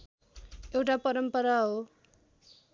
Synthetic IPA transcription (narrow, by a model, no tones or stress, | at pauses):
ewʈapʌɾʌmpʌɾaɦo